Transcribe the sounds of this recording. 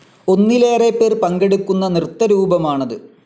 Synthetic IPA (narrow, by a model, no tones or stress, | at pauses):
o̞nːile̞ːrepːeːrpɐŋɡeɽukːunːɐnrɨt̪ːɐɾuːbɐmaːɳɐðɨ